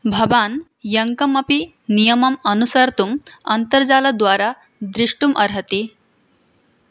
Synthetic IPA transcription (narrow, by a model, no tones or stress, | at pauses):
bʱɐʋan | jɐŋkəmɐpi | nijəmɐmɐnusəɾt̪umɐnt̪əɾd͡zalad̪ʋaɾa | d̪ɾiʂʈumʔɐɾɦət̪i